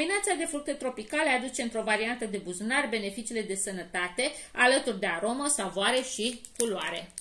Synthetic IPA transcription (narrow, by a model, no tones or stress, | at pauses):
minat̪sad̪e̞fɾuk̚t̪e̞t̪ɾo̞pikalead̪ut͡ʃe̞ɨnt̪ɾo̞vaɾiant̪əd̪e̞buznarbe̞ne̞fit͡ʃiːle̞d̪e̞sənət̪at̪e̞alət̪urd̪e̞aɾo̞məsavoaɾe̞ʃikuloa̰ɾe̞̰